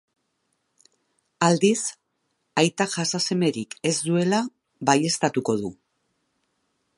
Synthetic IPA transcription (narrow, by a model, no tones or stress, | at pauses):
ald̪is | ajt̪aʝasase̞me̞ɾike̞zd̪ue̞la | βaje̞st̪at̪uko̞ðu